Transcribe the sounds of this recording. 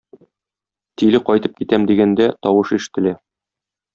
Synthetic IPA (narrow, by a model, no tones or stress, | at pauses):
t̪ilɘqɒjt̪ɤp̚kit̪æmd̪iɡænd̪æt̪ɒwɤʃiʃɘ̥̆t̪ɘ̆læ